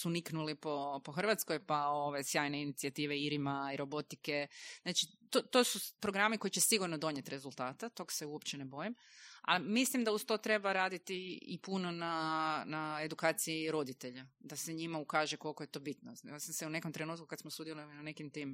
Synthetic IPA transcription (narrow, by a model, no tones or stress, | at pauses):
suniknulipo̞po̞xr̩ʋat̪sko̞jpao̞ʋejsjaːjne̞init̪siat̪iːʋeiɾimaiɾo̞bo̞t̪ike̞znat͡ʃit̪ot̪osupɾo̞ɡɾamiko̞it͡ɕt͡ʃesiɡuɾnod̪o̞ɲet̪ɾe̞zult̪aːt̪at̪o̞ɡḁseuopt͡ɕenebo̞jima̰lmislimd̪aust̪o̞ːt̪ɾe̞baɾaːd̪it̪iḭpuno̞nanaed̪ukaːt̪siiɾo̞d̪it̪eʎad̪ase̞ɲimaukaːʒekolko̞je̞t̪o̞ːbit̪nosamseune̞komt̪ɾenuːt̪̚kukad̪smosud̪jelolinane̞kimt̪im